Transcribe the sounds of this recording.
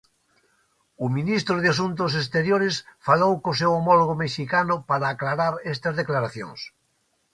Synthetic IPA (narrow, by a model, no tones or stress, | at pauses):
ʊminist̪ɾʊðas̬unt̪̬ʊs̬es̬t̪eɾjoɾesfalowkosewomɔloɣ̞omeʃikanʊpaɾaːklaɾaɾest̪ɐzðeklaɾaθjo̰ŋs